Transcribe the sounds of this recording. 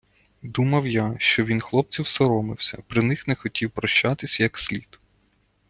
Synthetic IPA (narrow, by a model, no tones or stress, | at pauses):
d̪umɐwjaʃt͡ʃɔʋʲinxlˠɔp̚t͡sʲiwsɔɾɔmɪwsʲɐ̰pɾɪnɪxnɛxɔtʲʰiwpɾɔʃt͡ʃat̪ɪsʲjɐksʲlʲit̪